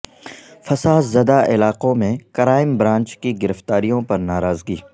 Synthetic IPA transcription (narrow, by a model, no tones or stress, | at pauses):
fɐsaːd̪zɐd̪aʔɪlaːqõmẽkɐɾaːɪmbɾãːnt͡ʃkiɡɪɾəft̪aːɾijõpɐɾnaːɾaːzɡiː